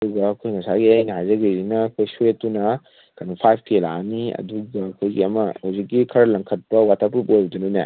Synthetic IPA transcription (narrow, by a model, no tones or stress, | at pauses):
duɡɐːkʰojŋɐsaɡiajnɐɦajzɐɡizinɐːkʰojsuet̚ːunɐ | kʰanupʰajpʰkelaniɐ̰duɡɐːkʰojɡiɐmɐhuwzik̚ːikʰɐɾɐlɐŋkʰɐt̚pɐwatʰapɾupojudununḛ